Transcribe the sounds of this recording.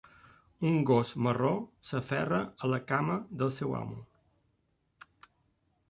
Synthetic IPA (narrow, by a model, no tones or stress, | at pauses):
uŋɡosmərosəfɛ̰rəələkaməðəlˠsɛwa̰mu